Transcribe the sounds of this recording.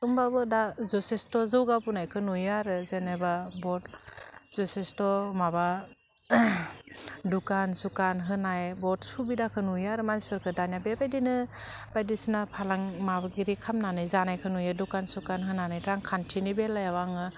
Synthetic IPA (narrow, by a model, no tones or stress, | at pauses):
ɯmbabɯdazɔsestɔzɯwɡapunajkʰɯnujaɾɯzenajbabɔtz̥ɔsestɔmaba | dukansukanɦɯnajbɔt̚subidakʰɯnujaɾɯmanspɯɾkʰɯdanijabebajdinɯb̥ajdisinapʰalaŋmabaɡiɾikʰamnanɯjzanajkʰɯnujadukansukanɦɯnanajtɾaŋkʰantʰinibelːajawaŋɯ